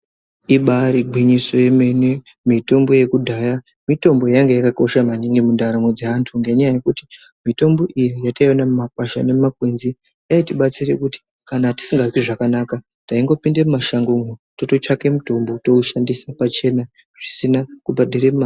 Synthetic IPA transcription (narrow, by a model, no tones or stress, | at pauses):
iɓaɾiɡʱwiɲiso̞jeme̞ne | mito̞mbo̞je̞kudʱaja | mito̞mbo̞jaŋɡejakako̞ʃamaniŋɡimundaɾamod͡zeantʰuŋɡe̞ɲajaje̞kuti̥ | mito̞mbo̞ʔijijataionamumakwaʃa̰ne̞makwenzi | jaitiɓat͡sire̞kuti̥ | kanati̥siŋɡakiʐakanaka | taiŋɡo̞pindemumaʃaŋɡuŋoto̞to̞t͡ʃake̞muto̞mbo̞to̞uʃandisapat͡ʃe̞na | ʐ̥isinakubaɗiremma